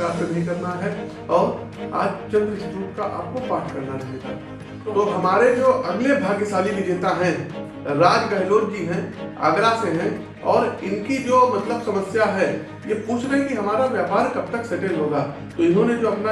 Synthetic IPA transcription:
aːɾsenɐɦĩkɐɾnaɦɛ | ɔːɾ | a̰ːd͡ʒt͡ʃɐ̃nd̪ɾɪstɾuːʈkaʔa̰ːp̚kopaːʈʰkɐɾnaɾɐɦeɡa̰ | t̪oɦɐmaːɾed͡ʒoːʔɐɡlebʱaːɡɪsaːlimɪ̃d͡ʒeːt̪aɦɛ̃ | ɾaːd͡ʒɡɐɦɪloːɾkiɦɛ̃a̰ːɡɾaseɦɛ̃ | ɔːɾɪnkid͡ʒoːmɐt̪ləbsɐməsjaɦɛ | jepuːt͡ʃʰɾəɦẽkiɦɐmaːɾaʋjaːpaːɾkɐb̚t̪əkseʈẽlɦoːɡa | t̪oɪnɦõned͡ʒoːɐpna

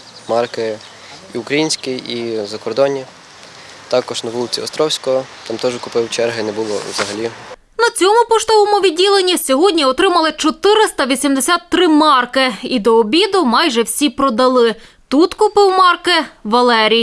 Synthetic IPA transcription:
mɑrkɪ | iʊkɾɐjinʲsʲkɪizɐkɔɾd̪ɔnʲi | t̪ɑkɔʒnɐʋulˠɪt͡sʲḭɔ̰st̪ɾɔwsʲkɔɔt̪ɑmt̪ɔʒkʊpɪwt͡ʃɛrɦɪnɛbʊlˠɔ̰wzɐɦɐlʲi | nɐt͡sʲɔmʊpɔʃt̪ɔʋɔmʊʋʲidʲilˠenʲːisʲɔɦɔdʲnʲiɔt̪ɾɪmɐlˠɪt͡ʃɔt̪ɪɾɪst̪ɐʋʲisʲimd̪esʲat̪ːɾɪmɑrkɪid̪ɔːbʲid̪ʊmɑjʒɛwsʲipɾɔd̪ɐlˠɪ | t̪ut̪kʊpɪwmɑrkɪʋɐlˠɛɾʲij

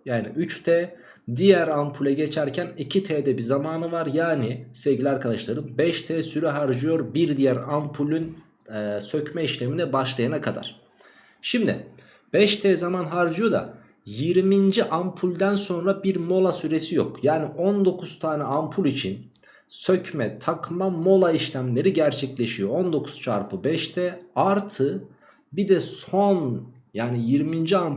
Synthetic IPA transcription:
jaːniyt͡ʃt̪ʰɛː | d̪ijæɾampʰulʲɛɟet͡ʃʰæɾcʰænicʰit̪ʰɛːd̪ɛbizamaːnɯvaɾjaːnisɛvɟilʲɛaɾkʰad̪aʃlˠaɾɯmbɛʃt̪ʰɛːsyɾɛɦaɾd͡ʒɯjo̞ɾbiɾd̪ijæɾampʰulʲˠyn | søcmɛiʃlʲeminɛbaʃlˠajanakʰad̪a̰ɾ̥ | ʃimd̪ɪ̰ | b̥ɛʃt̪ʰɛːzamanɦaɾd͡ʒɯjo̞d̪a̰ | jiɾmind͡ʒiʔampʰulʲd̪ænso̞nɾabiɾmo̞lˠasyɾe̞sijo̰kjaːniʔo̞nd̪o̞kʰuz̥t̪ʰaːnɛampʰulˠit͡ʃʰin | søcʰmɛt̪ʰakmamo̞lˠaiʃlʲæmlʲe̞ɾiɟæɾt͡ʃʰɛclʲe̞ʃijo̞ond̪o̞kʰu̥z̥t͡ʃʰa̰ɾpʰɯbɛʃt̪ʰɛaɾt̪ʰɯ | bid̪ɛson | jaːnijiɾmind͡ʒiam

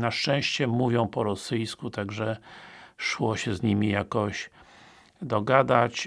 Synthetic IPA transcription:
naʂt͡ʂɛ̃ɕt͡ɕɛmuvʲjɔ̃w̃pɔɾɔsɘjskut̪aɡʐɛ | ʂwɔɕɛzɲimʲijakɔɕ | d̪ɔɡad̪at͡ɕ

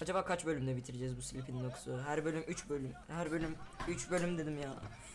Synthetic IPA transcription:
ad͡ʒabaːkʰat͡ʃbølʲymd̪ɛbit̪ʰiɾed͡ʒɛzbusilʲipʰininokʰu̥suɦæɾbølʲymʔyt͡ʃbølʲymhæɾbø̞lʲymyt͡ʃbø̞lʲymd̪e̞d̪imjaː

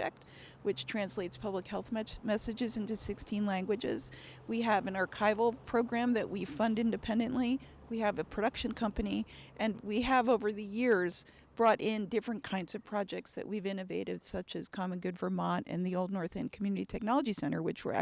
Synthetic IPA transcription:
ɛ̰k̚t̚ | wɨt͡ʃtʰɹ̥æ̃nsleɪtspʰʌbləkhɛlˠθmɛsɨd͡ʒɨzɪ̃ntʉsɪkstʰĩnlæ̃ŋɡwɨd͡ʒɪ̰z̥ | wiɨvɨ̃nɑɹkʰaɪvl̩ˠpʰɹ̥oʊɡɹæ̃mðɨʔwifʌ̃ndɪ̃ndɨpʰɛ̃ndɨ̃nʔli | wiɨvɨpʰɹ̥ɨɾʌkʃɨ̃nkʰʌ̃mpɨniʔɨ̃nwiəvoʊvə˞ðɨjɪɹz̥ | b̥ɹɔɾʔɪ̃ndɪfɹɨ̃nkʰãɪ̃ndz̥ʌv̥pʰɹ̥ɑd͡ʒɛk̚tsðɨ̰ʔwivɪ̃ñɨveɪɾɨd̥sʌt͡ʃɨz̥kʰɑmɨ̃nɡʊdvə˞mɑ̃ntɨ̰̃nðioʊlˠdⁿnɔɹθɨ̃nkʰmjʉnɨɾitʰɛk̚nɑlˠəd͡ʒisɛ̃ɾ̃ə̰˞wɨt͡ʃwə̰˞

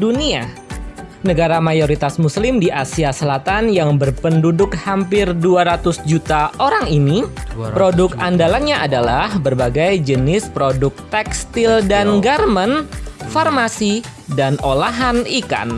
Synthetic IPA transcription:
dunia | nəɡaɾamajoɾit̪asmuslɪmdiʔasiasəlat̪anjaŋbərpəndudʊkhampɪrduaɾat̪ʊsd͡ʒut̪aoɾaŋinipɾodʊkandalanɲaʔadalahbərbaɡajd͡ʒənɪspɾodʊk̚t̪ɛkst̪ɪldanɡarmənfarmasidanolaɦanika̰n

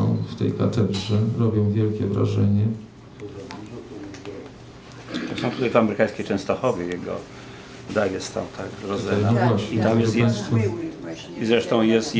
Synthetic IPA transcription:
ɔ̰̃w̃ft̪ɛjkat̪ɛd̪ʐɛɾɔbʲjɔ̃w̃vʲjɛlkʲɛvɾa̰ʐɛɲɛ | t̪ɔsɔ̃w̃t̪ut̪ajvamɛɾɘkãj̃skʲet͡ʂɛ̃st̪ɔxɔvʲjɛjɛɡɔ̰ | d̪ajʲɛst̪t̪ːã̰w̃t̪ʰakɾɔzɛnɔvwaɕɲiɛt̪amjɛst̪jajst̪fɔ | izɾɛʂt̪ɔ̃w̃jɛst̪j

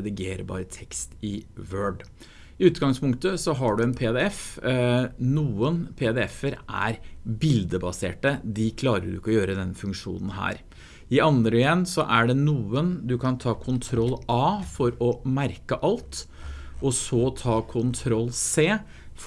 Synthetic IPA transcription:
d̪ɪɡeːɾəbɑ̰ːɾət̪ʰɛkst̪ɪʋøːɖ | ɪʉːt̪ɡɑŋspʰʊŋkt̪əsɔɦɑɖʉɛnpʰeːd̪ɛɛf | nuːənpʰeːd̪ɛɛfəɾʔæ̰ɾbɪld̪əbɑsḛːʈəd̪ɪkʰlɑːɾəɖʉ̰ɪkːɔjøːɾəd̪ɛnfʉŋkʂṵːnən̩ɦæ̰ːɾ | ɪɑnd̪ɾɔjɛnːsɔʔæɖɛnuːənd̪ʉkʰɑnt̪ʰɑːkʰʊnt̪ʰɾɔlːɑːfɔɾɔmæɾkəʔɑlt̪ | ɔsɔt̪ʰɑːkʰʊnt̪ʰɾɔlːseː | f

